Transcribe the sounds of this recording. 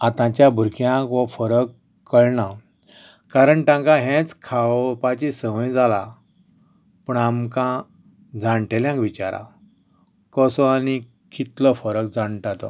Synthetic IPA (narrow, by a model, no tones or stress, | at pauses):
at̪ãt͡ɕjabʱuɾkjãkʋəfəɾəkː | əɭɳa | kaɾəɳʈãŋkãɦɛ̃t͡skʰaʋpat͡ɕisəməjd͡zala | puːɳamkã | d͡zãɳʈeljãŋkʋit͡ɕa̰ɾa̰ | kəsɔani | kit̪ləfəɾək̚d͡zaɳʈat̪ɔ̰